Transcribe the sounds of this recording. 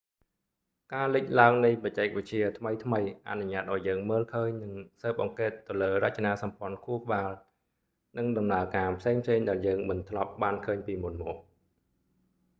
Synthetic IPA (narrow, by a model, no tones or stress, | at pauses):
kaːlɨc̚laəŋnɨjpɑc̚t͡ɕaːk̚ʋɨc̚t͡ɕiət̪ʰməjt̪ʰməjʔa̰nuɲaːt̪̚ʔaɔjːəːŋməːlkʰəːɲnɨŋsəːp̚ʔɑŋkeːt̪ːɨwləːrac̚t͡ɕanaːsɑmpŏənkʰuəhkə̆ɓaːl | nɨŋɗɑmnaəkaːpʰseːŋpʰseːŋɗaɛljəːŋmɨnt̪ʰlɑp̚ɓaːnkʰəːɲpiːmunmɔːk̚